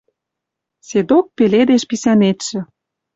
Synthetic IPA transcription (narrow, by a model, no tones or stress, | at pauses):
sed̪ok̚peled̪eʃpisænet̪ʃĕ